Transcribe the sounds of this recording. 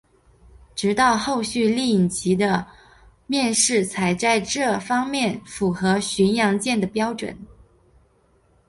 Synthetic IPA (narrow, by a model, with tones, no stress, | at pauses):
ʈ͡ʂɻ̩˧˥t̪ɑ˥˧ʊxo˥˧ʊɕy˥˧li˥˩i˨˩ŋt͡ɕʰi˧˥d̪ə˧ | mjɛ˥˧nʂɻ̩˥˩t͡sʰa˧˥ɪt͡sa˥˧ɪʈ͡ʂɤ˥˩fɑ˥ŋmjɛ˥˩nfu˨˩xɤ˧˥ɕi˧˥njɑ˧˥ŋt͡ɕjɛ˥˩nd̪ə˩pjɑ˥ʊʈ͡ʂwə̰˨˩˦n